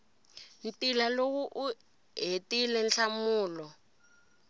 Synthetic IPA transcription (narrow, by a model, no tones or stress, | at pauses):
ntilalowuʔu | ɦetilɛnɬamuːlɔ